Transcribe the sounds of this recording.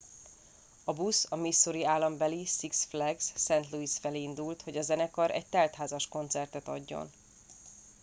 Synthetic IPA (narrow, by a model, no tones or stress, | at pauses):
ɒbusɒmisːoɾiaːlːɒmbɛlisiksflɛɡsːɛnt̪luisfɛleːind̪ult̪ho̞ɟɒzɛnɛkɒɾɛ̰c̚t̪ɛlt̪ɦaːzɒʃko̞nt̪sɛrt̪ɛt̪ɒ̰ɟːo̞̰n